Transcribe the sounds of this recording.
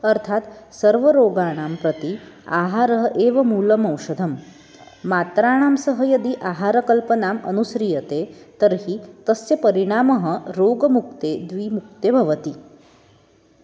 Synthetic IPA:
əɾt̪ʰat̪səɾʋəɾoɡaːɽ̃ampɾət̪ia̰ɦaːɾəɦʔeʋɐmuːləmɐwʂɐd̪ʱəmː | at̪ɾaːɽ̃aːmsəɦəjəd̪iʔaɦaɾəkəlpənamə̰nusɾijət̪et̪əɾɦit̪əsːjepəɾiɽ̃aməɦə̆ɾoɡmuk̚t̪ed̪ʋiːmuk̚t̪ebʱɐʋət̪i

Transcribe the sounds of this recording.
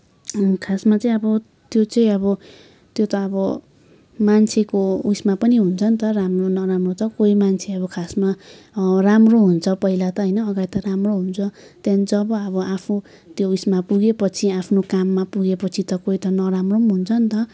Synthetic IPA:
kʰasmat͡sʌ̃ĩʌbʌ | t̪jot͡sʌĩʌbʌ | t̪jot̪ʌːbʌ | mant͡sʰekousmapʌniɦunt͡sʰʌnt̪ʌramronʌɾamrot̪ʌkoimant͡sʰeʌbʌkʰasma | ramroɦunt͡sʰʌpʌɦilat̪ʌɦʌjnʌːɡaɽit̪ʌɾamroɦunt͡sʰʌ | t̪janid͡zʌbʌʌbʌapʰnu | t̪jousmapuɡepʌt͡sʰiapʰnokamːapuɡepʌt͡sʰit̪ʌkoit̪ʌnʌɾamromɦunt͡sʰʌnt̪ʌ

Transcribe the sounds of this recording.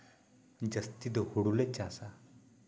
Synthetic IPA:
d͡ʑəst̪id̪əhuɽulet͡ɕasa

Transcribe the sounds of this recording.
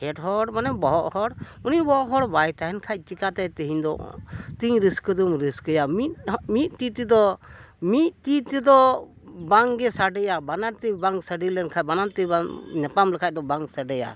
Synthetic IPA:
hɛʈhɔɽmanɛbɔɦɔʔhɔɽunibɔɔʔɦɔɽbajt̪aɦɛnkʰac̚ˀt͡ʃikat̪ɛt̪ɛɦiɲd̪ɔ̰t̪iɲɾiskəd̪umɾiskəjamit̪mit̪̚ˀt̪it̪id̪ɔ | mit̪̚t̪it̪ɛd̪ɔ | baŋɡɛsaɖɛjabanaɾt̪ɛbaŋsəɖilɛnkʰacbanaɾt̪ɛbaɲapamlɛkʰac̚d̪ɔbaŋsəɖɛja̰

